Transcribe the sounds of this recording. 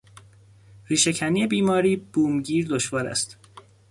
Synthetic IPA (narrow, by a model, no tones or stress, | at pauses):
riːʃe̞cʰæniːe̞biːmɒːɾiːb̥uːmɟiːɾd̪oʃvɒːɾæ̰st̪